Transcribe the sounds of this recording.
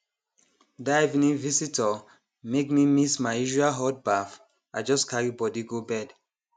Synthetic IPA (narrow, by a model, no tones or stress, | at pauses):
dajvnĩvisitə | mekmimismaɪiʒualɦɔt̚baf | ʔaɪd͡ʒɔskʰaɹibɔdiɡobɛd